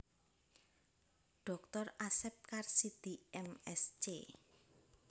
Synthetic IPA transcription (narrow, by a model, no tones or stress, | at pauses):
ɖ̥ɔ̤kt̪ɔrasɛp̚karsid̪̥iɛmɛst͡ʃe